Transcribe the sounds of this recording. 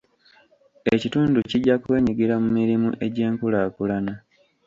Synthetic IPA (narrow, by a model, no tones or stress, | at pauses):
e̞cituːnduciɟːakwe̞ːɲiɡiɾamumiɾimṵʔe̞ɟe̞ːŋkulaːkulana